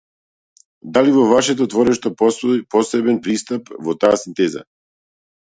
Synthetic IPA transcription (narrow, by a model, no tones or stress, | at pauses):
d̪alivɔvaʃɛt̪̬ɔt̪vɔɾɛʃt̪ɔpɔsɔipɔsɛbɛnpɾist̪apvɔt̪aːsint̪ɛza̰